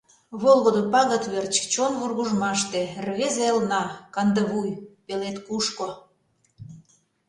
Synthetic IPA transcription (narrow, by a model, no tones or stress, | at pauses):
βolˠɣod̪opɑɣət̪βert͡ɕt͡ɕonβurɣuʒmɑʃt̪erβezeəlnɑkɑnd̪əβujpelet̪kuʃko